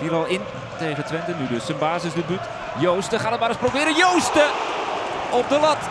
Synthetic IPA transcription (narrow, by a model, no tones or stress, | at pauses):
fiɾɑlˠɪn | tejχətʋɛntənydɵsənbaːzɪzdəbyt | jowstəχaːnət̚maːɾəsprowbɪːɾəjowstə | ɔp̚dəlɑt